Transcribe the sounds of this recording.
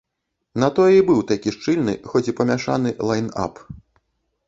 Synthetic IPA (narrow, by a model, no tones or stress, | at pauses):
nɐt̪ɔjɛibɨwt̪akʲiʂt͡ʂɨlʲnɨ̰xɔt͡sʲipɐmʲaʂa̰nɨlˠajna̰p